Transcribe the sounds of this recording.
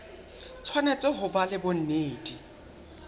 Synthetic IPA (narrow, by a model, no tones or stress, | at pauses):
t͡sʰwanet͡sʼɪɦʊbalɪbʊn̩neːdi